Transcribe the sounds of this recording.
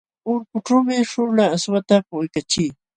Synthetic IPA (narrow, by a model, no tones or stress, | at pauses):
ʊɾkʊʈ͡ʂawmɪʂʊlaːswat̪apʊjkat͡ʃiː